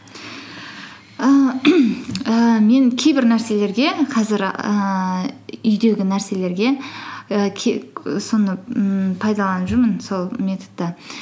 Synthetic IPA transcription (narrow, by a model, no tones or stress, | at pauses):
ə | əme̞ŋkʲʰejbɪɾnæɾse̞le̞ɾɡʲe̞qʰɑzɪɾə | ʏjd̪e̞ɡʲɪnæɾse̞le̞ɾɡʲe̞əkʲʰso̞nəpʰɑjd̪ɑlˠɑnʒɪɾmənso̞lˠmʲe̞t̪od̪ːɑ